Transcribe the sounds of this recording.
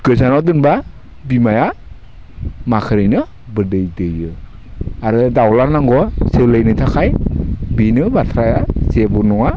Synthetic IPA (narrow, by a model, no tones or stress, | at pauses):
ɡ̥ɯzanɔdɯnba | bimaja | makʰɯɾɯjnɯ | bɯdɯjdɯjɯ | aɾɯdawlaɾnaŋɡɔselɯjnɯtʰakʰajbinɯbatʰɾajasebɯnɔŋa